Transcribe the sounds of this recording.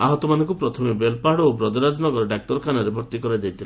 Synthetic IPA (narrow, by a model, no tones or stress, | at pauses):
aɦɔt̪ɔmanɔ̃ŋkupɾɔt̪ʰɔmebelpaɽɔobɾɔd̪ʱɔɾad͡ʒ̪nɔɡɔɾɔɖak̚ʈɔɾɔkʰanɔɾebʱɔɾt̪ikɔɾajd̪ejt̪ʰila